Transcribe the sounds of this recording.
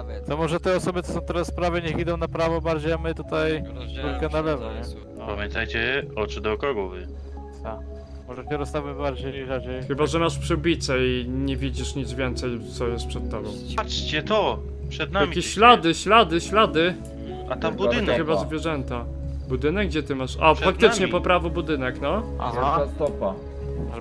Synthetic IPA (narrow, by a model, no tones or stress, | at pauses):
t̪ɔmɔʐɛt̪ɛɔsɔbɘt̪ɔ̥sɔ̃w̃t̪ɛɾassːpɾavɘɲɛxid̪ɔ̃w̃napɾavɔbaɾd͡ʑejamɘt̪ut̪ajɾut̪kɛnalɛvɔɲɛ | pamʲjɛ̃nt̪ajt͡ɕɛɔt͡ʂɨd̪ɔkɔɡɔvɘ̰ | t̪a | mɔʐɛɛɾɔst̪avɪbaɾd͡ʑejʐaɾd͡ʑejxɘbaʐɛmaʂpʂɨbʲit̪sɛiɲɛvʲid͡ʑiʂɲid̪zvʲjɛnt̪sɛjt̪sɔjɛst̪pʂɛt̪ːɔbɔ̃w̃pat͡ʂt͡ɕɛt̪ɔ | pʂɛd̪̚najamʲikʲeɕɕlad̪ɘɕlad̪ɘɕlad̪ɘ | at̪abud̪ɘnxɘbazvʲjɛʐɛnt̪a | bud̪ɘnɛɡ̚ɡd͡ʑɛt̪ɘmaʂaffak̚t̪ɘt͡ʂɲɛpɔpɾavɔbud̪ɘnɛknɔa̰ɦast̪ɔpa